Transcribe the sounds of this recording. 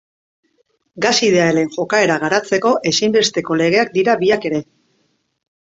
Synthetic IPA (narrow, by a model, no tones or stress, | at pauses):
ɡasið̞eaeleŋʝo̞kae̞ɾaɣ̞aɾat͡se̞ko̞ʔe̞simbe̞st̪e̞ko̞le̞ɣ̞e̞ak̚d̪iɾabiake̞ɾe̞